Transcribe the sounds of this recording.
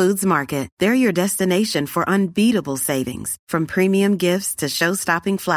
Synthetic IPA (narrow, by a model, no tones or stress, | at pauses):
udzmɑɹkɨt̚ðə˞jə˞dɛstɨneɪʃɨ̃nfə˞ʔə̃nbiɾəbl̩ˠseɪvɪ̰̃ŋz̥fɹʌ̃mpʰɹ̥ĩmiɨ̃mɡɪftstʰɨʃoʊstɑpɪ̃ŋflæ